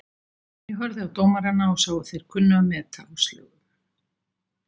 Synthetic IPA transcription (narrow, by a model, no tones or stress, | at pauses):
jɛɣɦœɾðɪawt̪oːwmaɾanːaɔsaːwɣʏθejɾ̥kʰʏnːʏamɛːt̪ʰa̰ːwst̪lœ̰ːɣʏm